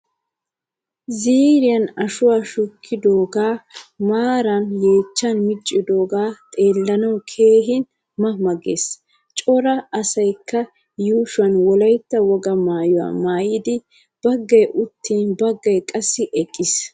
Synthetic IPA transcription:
ziːɾɪjɐnɐʃʊwaːʃʊkʰːɪd̪oːɡaːmaːɾɐnje̞ːt͡ʃːɐnmɪt͡ʃʼːɪd̪o̞ːɡaːt̪ʼe̞ːlːɐnɐwkʰe̞ːɦɪn | mɐmɐɡḛs | t͡ʃʼɔɾɐɐsɐjkʰːɐ | juːʃʊɐnwɔlɐjt̪ːɐwɔɡɐmaːjʊwa̰ːmaːjɪd̪ɪ | b̥ɐɡːɐjʔʊt̪ʰːiːnbɐɡːɐjkʼɐsːɪʔɛkʼːɪs

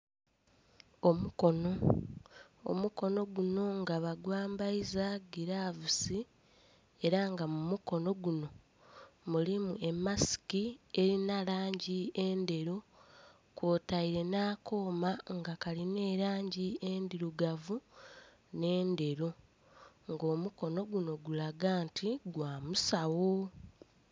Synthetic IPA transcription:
o̞muko̞no̞ | o̰muko̞no̞ɡuno̞ŋɡaβaɡwaːmbaizaɡiɾavusi | e̞ɾaŋɡamumuko̞no̞ɡuno̞ | mulimue̞mːasi̥kie̞ɾinalaːɲɟie̞nde̞ɾo | kwoːtaiɾe̞naːko̞ːmaŋɡakaline̞ːɾaːɲɟiendiɾuɡavu | ne̞ːnde̞ɾu | ŋɡo̞ːmuko̞no̞ɡuno̞ɡulaɡaːntʰiɡwaːmusawo̞

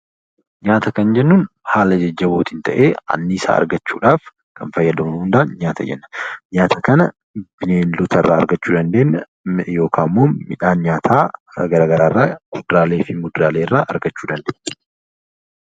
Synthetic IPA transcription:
ɲaːt̪ɐkɐnd͡ʒɛnːuːnhaːlɐd͡ʒɐd͡ʒːɐboːt̪ɪnt̪ʰɐʔeːɐ̰nːɪːsa̰ːɐ̰ɾɡɐt͡ʃːuːᶑaːf | kɐnfɐjːɐd̪ɐmɐʊnd̪aːnɲaːt̪ʰɐ̰d͡ʒɛ̰nːɐ̥ɲaːt̪ʰɐkɐnɐ | b̥ɪneːnlʊt̪ʰɐrːʔa̰ːɐ̰ɾɡɐt͡ʃːuːd̪ɐnd̪eːnːɐ | jo̞ːkʰaːmːoːmɪᶑaːnɲaːt̪ʰaːɡɐɾaːɡɐɾaːrːaːmʊd̪ɾaːleːfɪmʊd̪ɾaːleːɪrːaːʔɐ̰ɾɡɐt͡ʃːuːd̪ɐnd̪eːʔnːɐ̥

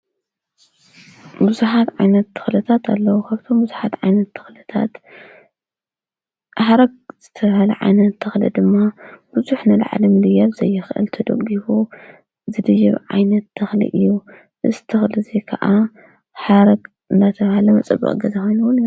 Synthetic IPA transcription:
buzuħat̪ʕajnɐt̪ːɨ̥xlɨt̪ʰat̪ʰa̰lːɐwukʰaβt̪ʰo̞mbuzuħat̪ʕajnɐt̪ːɨxlɨt̪ʰa̰t̪ | ħaɾɐɡ̚z̥ɨt̪ʰɐβhalɐ̰ʕa̰jnɐt̪ʰːɨxlɐ̰d̪ɨmːab̥uzuħnɨla̰ʕlimɨlɨjːaβzɐjːɨxʔɨ̰lt̪ʰɐd̪ɐ̰ɡifu | zɨd̪ɨʒḭβʕa̰jnɐt̪ʰːɨxlḭʔɨjːu | ʔɨzt̪ʰɨxlɨzekʰɐʔa | ħaɾɐɡ | ɨnd̪at̪ʰɐβhalɐmɐt͡sʼɐbːɐ̰qʼɡɐzɐxonuwn

